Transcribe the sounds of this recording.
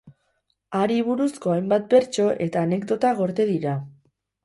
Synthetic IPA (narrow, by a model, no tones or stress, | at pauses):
aɾiβ̞uɾusko̞ajmbat̪̚be̞ɾt͡ʃo̞ʔe̞t̪aːne̞kd̪o̞t̪aɣo̞ɾt̪e̞ðiɾa